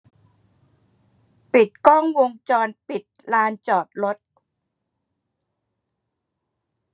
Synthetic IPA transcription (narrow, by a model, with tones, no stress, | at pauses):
pi˨˩t̪̚kɔː˥˩ŋwo˧ŋt͡ɕɔː˧npi˨˩t̪̚laː˧nt͡ɕɔː˨˩t̪̚lo˦˥t̪̚